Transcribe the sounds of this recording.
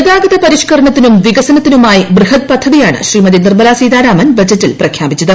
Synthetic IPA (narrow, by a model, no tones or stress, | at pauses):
ed̪aːɡɐðɐpɐɾiɕkɐɾɐɳɐt̪ːinumʋiɡɐsɐnɐt̪ːinumaːjibrɨhɐt̪̚pɐd̪ʰʱːɐðijaːɳɨ̰ɕriːmɐd̪inirbɐlaːsiːd̪aːɾaːmɐnbɐd͡ʑɐtːilprɐkʰjaːbit͡ɕːɐðɐ